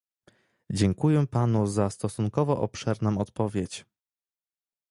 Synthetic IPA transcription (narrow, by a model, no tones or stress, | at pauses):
d͡ʑɛŋkujɛpanuzast̪ɔsuŋkɔvɔʔɔ̰pʂɛɾnɔ̃w̃ɔt̪pɔvʲjet͡ɕ